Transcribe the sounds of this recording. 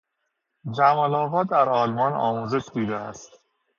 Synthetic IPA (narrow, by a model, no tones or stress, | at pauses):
d͡ʒæmɒlɒːvɒːd̪æɾɒːlmɒːnɒ̰ːmuːze̞ʃd̪uːd̪eæst̪